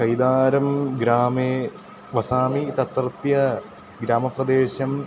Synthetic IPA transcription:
kɐjd̪aːɾɐmɡɾaːmeː | ʋɐsaːmit̪ɐt̪rɨt̪jɐ | ɡɾaːmɐprɐd̪eːɕɐm

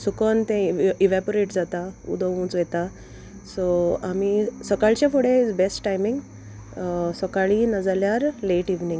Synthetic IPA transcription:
sukənt̪ɛ̃iʋapoɾeʈd͡zat̪aṵd̪əʋũt͡sʋɛt̪a | soamisəkaɭt͡ɕjafoɽeid͡zbesʈʈajmĩŋɡ | səkaɭinəd͡zaljaɾleʈiʋnĩŋɡ

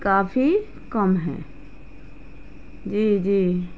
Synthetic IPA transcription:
kaːfʰi | kəmɦɛ̰̃ː | d͡ʒiːd͡ʒiː

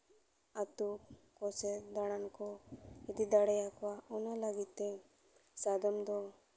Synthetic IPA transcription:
at̪ukkɔsɛd̪aɽ̃ankɔid̪id̪aɽɛjakwaɔnalaɡit̪ːɛ | sad̪ɔmd̪ɔ

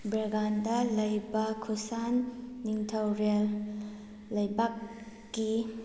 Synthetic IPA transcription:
bɾɐɡandɐlɐjbɐkʰusanːiŋtʰɐwɾelː | ɐjbakː | i

